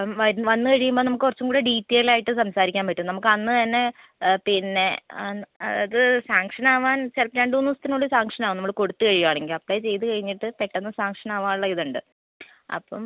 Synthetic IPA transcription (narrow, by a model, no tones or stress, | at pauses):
ʋɐɾʋɐnːɨkɐɻijumboːnɐmukːɨkurɐt͡ɕːuŋkuːɽeɖiːtːeilaːjiʈːɨsɐmsaːɾikʲːaːmpɐʈːumnɐmukːɐnːɨt̪ɐnːe̞ | pinːe̞ | ɐ̰ðɐðɨsaːŋkʂɐnaːʋaːnt͡ɕelpnaːɳɖunːust̪inoɭːɐɾsaːŋkʂɐnaːʋnɐmːɐɭko̞ɽut̪ːɨkɐɻijuaːɳe̞ŋɡilɐplɐjt͡ɕe̞jt̪̬ɨkɐɻiɲːiʈːɨpeʈːɐnːɐsaːŋkʂɐnaːʋaːnuɭːɐiðuɳɖɨ | ɐ̰pːo̰m